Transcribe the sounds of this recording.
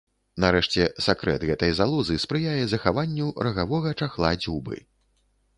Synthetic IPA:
naɾɛʂt͡sʲɛsakɾɛ̰t̪ɣɛt̪ɐjzalˠɔzɨspɾɨjajɛzɐxavanʲːuɾɐɣavɔɣɐt͡ʂaxlˠad͡zʲubɨ̰

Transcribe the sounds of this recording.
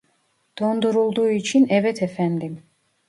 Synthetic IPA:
d̪̥ɔnd̪uɾulˠd̪uit͡ʃʰinɛvɛt̪ʰɛfɛnd̪im

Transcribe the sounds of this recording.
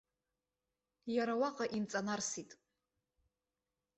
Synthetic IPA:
jaɾawaqʼaʔint͡sʼanarsitʼ

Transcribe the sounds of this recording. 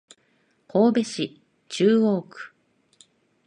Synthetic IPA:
kʰoːbe̞ɕi | t͡ɕɨːo̞ːkɯ̟̥

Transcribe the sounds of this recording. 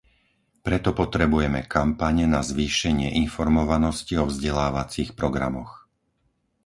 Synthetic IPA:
pɾɛt̪ɔpɔt̪ɾɛbujɛmɛkampaɲɛnazʋiːʃɛɲɪɛʔinfɔɾmɔʋanɔsciɔvzɟɛlaːʋat͡siːxpɾɔɡɾa̰mɔx

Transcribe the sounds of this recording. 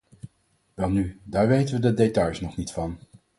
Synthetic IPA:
ʋɛlˠnydaːɹʋejtənʋədədetɑjsnɔχnitfɑn

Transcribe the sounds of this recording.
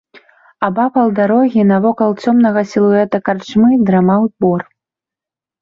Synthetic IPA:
abapɐlˠd̪aɾɔɣʲinɐvɔkɐlˠt͡sʲɔmnɐɣɐsʲilˠuɛt̪ɐkart͡ʃmɨd̪ɾamawbɔr

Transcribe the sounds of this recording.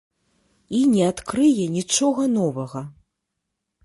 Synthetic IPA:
inʲɛat̪kɾɨjɛnʲit͡ʂɔɣɐnɔvɐɣɐ

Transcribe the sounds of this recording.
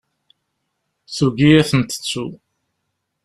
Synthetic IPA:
θuɡijæθənt̪ə̥t͡sːu

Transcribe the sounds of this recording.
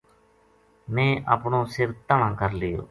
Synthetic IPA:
mɛ̃ːʔə̰ːpɳõːsɪɾt̪əɳãːkəɾlɪjo̰ː

